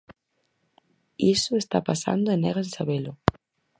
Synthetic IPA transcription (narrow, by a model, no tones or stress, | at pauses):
isoest̪apasa̰nd̪oeneɣensaβelo